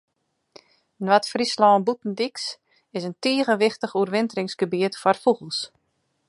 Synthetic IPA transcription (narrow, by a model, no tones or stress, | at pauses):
nwatfrislɔːnbutn̩diks | ɪsəntiəɣəʋɪxtəxuərʋɪntərɪŋskəbiətfɔrfuɣəlˠs